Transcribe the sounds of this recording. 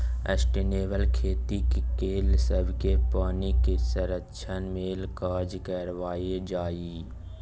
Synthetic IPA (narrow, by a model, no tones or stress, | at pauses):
ə̰sʈiːneːʋəlkʰeːt̪ikekeːlsəbʱkepaːnikesəɾəkʃʰənmeːlkaːd͡ʒkəɾʋaːed͡ʒaːiː